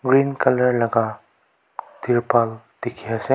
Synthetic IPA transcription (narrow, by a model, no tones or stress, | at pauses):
ɡɾinkɐləɾlɐɡa | d̪̥iɾpal | d̪̥ekʰiase